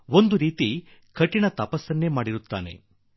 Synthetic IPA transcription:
o̞nd̪uɾiːt̪i | kʰɐʈːinɐt̪ɐpɐsːɐnːeːmaːɽiɾut̪ːa̰ːne̞̰

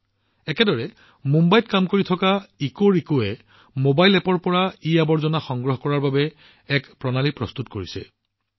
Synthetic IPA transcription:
ɛkɛdɔɹɛ | mumbajtkamkoɹitʰɔkaikoɹikoɛ | mobajlɛpɔɹpɔɹaiabɔɹzɔnaxɔŋɡɹɔɦkɔɹaɹbabɛ | ɛkpɹɔnalipɹɔstutkoɹisɛ̰

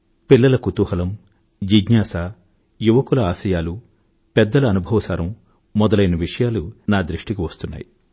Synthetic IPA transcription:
pilːɐlɐkut̪uhɐlɐm | d͡ʒiɡɲaːsaː | juʋɐkulɐaːsɐjaːlu | pɛd̪ːɐlɐːnubʱɐʋɐsaːɾɐmː | ɔd̪ɐlɐjnɐʋiʂɐjaːlunaːd̪ɾiʂʈikiʋɐst̪unːa̰ːji

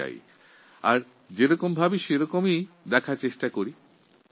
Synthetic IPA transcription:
a̰j | a̰ɾ | d͡ʑeɾɔkombʱabiʃeɾɔkomid̪ɛkʰaɾt͡ɕeʃʈakoɾi

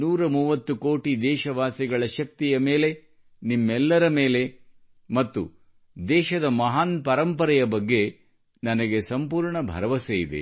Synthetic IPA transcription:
nuːɾɐmuːʋɐt̪ːukoːʈid̪ɛːʃɐʋaːsiɡɐɭɐʃɐk̚t̪ijɐme̞ːle̞ | nimːɛlːɐɾɐmeːle̞ | mɐt̪ːṵ | d̪ɛːʃɐd̪ɐmɐɦaːnpɐɾɐmpɐɾɐjɐbɐɡːe̞ | nɐnɐɡe̞sɐmpuːɾɳɐbʱɐ̰ɾɐʋɐsejid̪ḛ

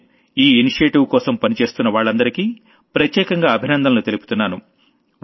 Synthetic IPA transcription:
iːiniʂɐʈiʋkɔːsɐmpɐnit͡ʃe̞ːst̪unːɐʋaːɭːɐnd̪ɐɾikiː | pɾɐt̪jɛːkɐŋɡaːɐbʱinɐnd̪ɐmnut̪e̞lupu̥t̪unːaːnu

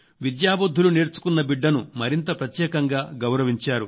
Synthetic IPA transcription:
ʋid̪jaːbɐd̪ʱːulune̞ːɾt͡ʃu̥kunːɐbiɖːɐnumɐɾint̪ɐpɾɐt̪jɛːkɐŋɡaːɡɐwɾɐʋiɲt͡ʃaːɾu

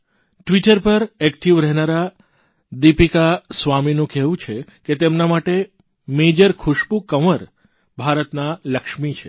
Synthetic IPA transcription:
ʈʋiʈəɾpəɾekt̪ʰiʋɾɛɦnaɾa | d̪ipikasʋaminũkɛʋũt͡ʃʰeket̪emnamaʈe | med͡ʒəɾkʰʊʃpukəʋəɾ | bʱaɾət̪naləkʃmit͡ʃʰe

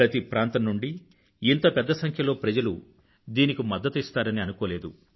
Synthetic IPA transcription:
ɾɐt̪ipɾaːnt̪ɐmnːuɳɖiː | nt̪ɐpɛd̪ːɐsɐŋkʰjɐlo̞ːpɾɐd͡ʒɐlu | d̪iːnikimɐd̪ːɐt̪ist̪aːɾɐniɐnukɔːle̞ːd̪u

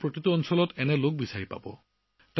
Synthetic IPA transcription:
pɹotituɔnsɔlɔtɛnɛlok̚bisaɹipa̰bɔ̰ | t

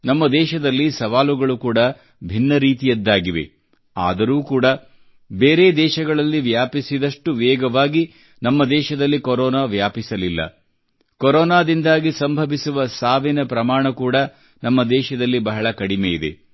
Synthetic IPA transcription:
nɐmːɐd̪ɛːʃɐd̪ɐlːisɐʋaːluɡɐɭukuːɽɐ | bʱinːɐɾiːt̪ijɐd̪ːaːɡiʋe̞̰ | a̰ːd̪ɐɾuːkuːɽɐ | beːɾeːd̪ɛːʃɐɡɐɭɐlːiʋjaːpisid̪ɐʂʈuʋɛːɡɐʋaːɡi | nɐmːɐd̪ɛːʃɐd̪ɐlːikoɾɔːnaːʋjaːpisɐlilːɐ̰ | koɾɔːnaːd̪ind̪aːɡisɐmbʱɐʋisuʋɐsaːʋinɐpɾɐmaːɳɐkuːɽɐ | nɐmːɐd̪ɛːʃɐd̪ɐlːibɐɦɐɭɐkɐɽimeːjid̪e̞̰

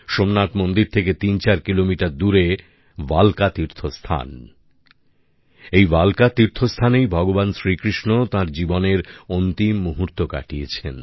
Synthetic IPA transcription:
ʃomnːat̪mond̪iɾt̪ʰeket̪int͡ɕaɾkilomiʈaɾd̪uɾe | balkat̪iɾt̪ʰost̪ʰa̰n | ejbalkat̪iɾt̪ʰost̪ʰanejbʱɔɡobansɾikɾiʃnot̪ãɾd͡ʑiboneɾont̪imːuɦuɾt̪oka̰ʈiet͡ɕʰen

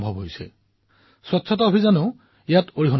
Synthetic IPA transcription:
mbʱɔbɦojsɛ̰ | swɔtːsʰɔtɔobʱizanʊ̃ | ijatoɹiɦɔn

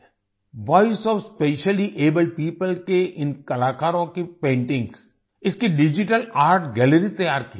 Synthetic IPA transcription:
ʋaːɪsɔːʋspeːʃəliʔeːbəlɖ̚piːpəlkeʔɪ̃nkɐlaːkaːɾõkepẽːɳʈɪ̃ŋɡs | ɪskiɖɪd͡ʒɪʈəlaːɾʈɡɛːləɾit̪ɐjaːɾki

